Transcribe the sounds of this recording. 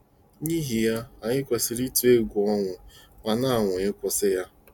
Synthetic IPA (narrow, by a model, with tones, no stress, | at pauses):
ɲi˦ɦi˨ja˦a˨ɲɪ˦kʷe˨sɪ˨ɾi˦tu˨e˦ɡʷu˨ɔ˦ŋʷʊ˨ŋa˨na˦a˨ŋʷʊ˨ɲɪ˦kʷʊ˦sɪ˦ja˦